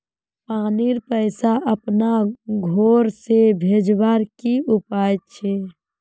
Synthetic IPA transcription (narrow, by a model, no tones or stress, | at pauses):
paːniɾpəɪsaʔəpnaɡʱoːɾsebʱed͡ʒbaɾkiʔupaːjt̪̚t͡ʃʰe